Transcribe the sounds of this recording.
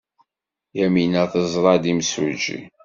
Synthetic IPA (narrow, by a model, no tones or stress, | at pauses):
jæminæθəzˤɾˤɑd̪imsṵd͡ʒḭ